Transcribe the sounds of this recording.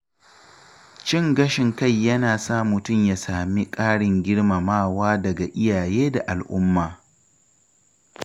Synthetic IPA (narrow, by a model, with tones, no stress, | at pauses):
t͡ʃɪ˦˨ŋɡɐ˦ʃɪ˨ŋka˦˨jːɐ˦naː˨saː˦˨mʊ˨tʊ˦˨mjaː˨saː˨mi˦kʼaː˦ɽɪ˨ŋɡʲɪ˦ɽma˨maː˦˨waː˦dɐ˨ɡa˨ʔɪ˦jaː˨jeː˦da˨ʔa˨lʔʊ̰˦mːaː˨